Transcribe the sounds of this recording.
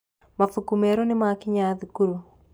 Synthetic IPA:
mafukumɛɾonɪmakɪɲaðikuɾo

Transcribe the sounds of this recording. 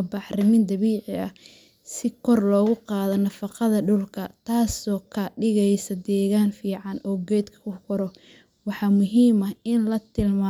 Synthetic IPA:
bɑħrɪmɪnd̪ɐβiːʕɪɐ | sɪkʰɔrlɔːɣʊqɑːðɔnɐfɑqɑðɐɖʊlkʰɐt̪ʰaːsɔːkʰɐɖɪɣɛjsɐd̪ɛːɣaːnfiːʕɑnɔːɡɛːd̪kʰɐ̥kʰʊkʰʊɾɔ | wɑħɑːmʊɦiːmɐɪnlɐt̪ʰɪlma

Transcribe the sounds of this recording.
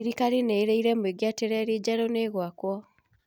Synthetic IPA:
ɾikaɾineeɾeiɾɛmweɡeateɾɛɾid͡ʑaɾoneɣwakwɔ

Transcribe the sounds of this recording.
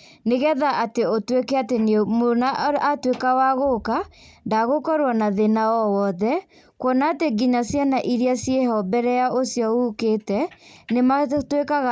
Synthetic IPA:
neɣɛðaʔateotwekɛatenemonaatwekawaɣokandaɣokɔɾwanaðenaɔwɔðɛ | kwɔnaːteɡiɲasjanaʔiɾiasjeɦɔbɛɾɛjaosjɔuketɛnematwekaɣa

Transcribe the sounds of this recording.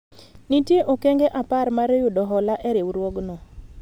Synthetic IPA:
nitjeʔokɛŋɡɛʔaparmaɾejʊdɔɦɔlaʔɛɾewɾwɔɡnɔ

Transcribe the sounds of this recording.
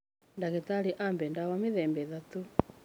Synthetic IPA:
ndaɣɛt̪aliʔambɛndawamiðɛmbɛðat̪u

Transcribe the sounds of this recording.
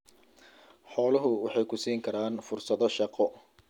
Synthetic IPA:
ħɔːlɐɦʊwɑħɑjkʰʊsiːŋkʰɐɾaːnfʊrsɐðɔʃɑqɔ

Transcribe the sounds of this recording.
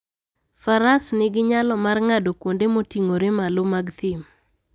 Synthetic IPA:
faɾasnɪɡɪɲalɔmarŋadokwondemotiŋoɾemalomaɡt̪ɪm

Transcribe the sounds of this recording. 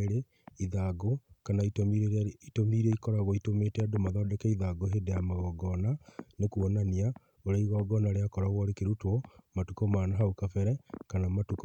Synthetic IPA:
ɾe | iðaɡokanaitomiɾeitomiɾeikɔɾaɣoitometɛadomaðɔːdɛkɛiðaɡoɦedejamaɣɔɡɔnanekuɔnania | oɾeaiɣɔɡɔnaɾeakɔɾaɣɔɾekeɾutwɔmatukɔmaːnaɦaukafɛɾɛkanamatuk

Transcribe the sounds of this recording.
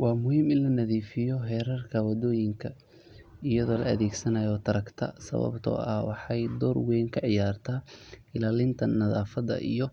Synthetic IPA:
wɑːmʊhiːmɪnlɐnɐðiːfɪjɔɦɛːɾɐrkʰɐwɐd̪ɔːjɪŋkʰɐ | ɪjɐðɔːlɐ̰ɐðɛːɡsɐnɐjɔːt̪ʰɐɾɐkt̪ʰɐ̰sɐ̰βɐ̰bt̪ʰɔ̰ːʔɐhwɑħɑjd̪ɔːrwɛːŋkʰɐʕɪjaːrt̪ʰaːɪlaːlɪnt̪ʰɐnɐðaːfɐðɐ̰ʔḭjɔ

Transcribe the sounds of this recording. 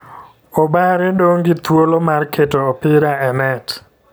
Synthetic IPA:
obaɾɛdoŋɡɪt̪wolomarkʰetoːpɪɾaɛnɛt

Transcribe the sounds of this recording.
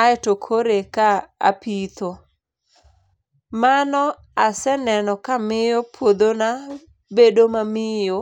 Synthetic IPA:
aɛtokʰoɾekaa̰pit̪o | manɔ | asɛnɛnɔkamɪjɔpʰwod̪ona | bedomamɪjo

